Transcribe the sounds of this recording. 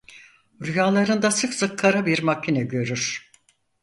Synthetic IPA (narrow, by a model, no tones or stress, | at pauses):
ɾyjaːlˠaɾɯnd̪asɯksɯkʰːaɾabiɾmacʰːinɛɟø̞ɾyɾ̥